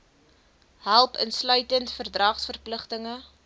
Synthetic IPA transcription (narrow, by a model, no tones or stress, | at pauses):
ɦælˠpənslœɥtəntfərdrɐχsfərpləχtəŋə